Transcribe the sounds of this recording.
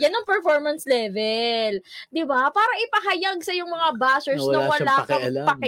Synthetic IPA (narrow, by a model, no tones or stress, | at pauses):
jɐnɐŋpɛɹfoɹmɐnslɛːvɛld̪ɪbapaːɾɐʔɪpɐɦɐjaɡ̚sɐjʊŋmɐŋabaːsɛɹsnɐwɐlaːkoɪɐlpɐkɪ